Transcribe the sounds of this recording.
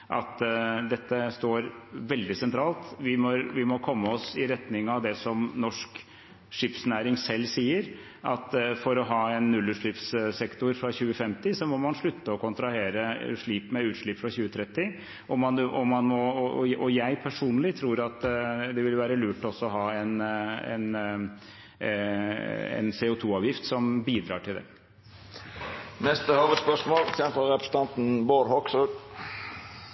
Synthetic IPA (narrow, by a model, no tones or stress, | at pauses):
ʔɑ̰t̪d̪ɛt̪ːəst̪oːɾʋɛld̪ɪsɛnt̪ʰɾɑːlt̪ʋɪmɔɾʋɪmɔkʰɔmːəɔsɪɾɛt̪nɪŋɑʋd̪ɛsɔmnɔʂk | ʂɪpsnæːɾɪŋsɛlːsiːəɾ | ʔɑt̪fɔɾɔɦɑːɛnːʉlːʉːʂɭɪpssɛkt̪ʊɾfɾɑçʉːəfɛmt̪ɪsɔmɔmɑnʂɭʉt̪ːəɔkʰʊnt̪ɾɑheːɾəʂɭiːpmɛʉːt̪ʂɭɪpːfɾɑçʉːət̪ʰɾɛt̪ːɪ | ʔɔmːɑnʔɔmːɑnmɔɔjæɪpʰæʂuːnəlɪt̪ʰɾuːɾɑt̪d̪ɛʋɪlʋæːɾəlʉːʈːɔsːɔɔɦɑːɛnɛ̰n | ɛ̰nseːʊt̪ʰuːɑːʋjɪft̪sɔmbiːd̪ɾɑ̰ːʈʰɪld̪ɛ̰ | nɛst̪əhɑːʋəd̪spœʂmoːlçɛnfəɾɛpɾə̥sət̪ʰɑnt̪n̩boːɾhɔkso